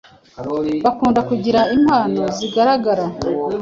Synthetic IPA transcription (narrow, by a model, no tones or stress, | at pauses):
βakuːndakuɟiɾaim̥haːnoziɡaɾaɡaɾa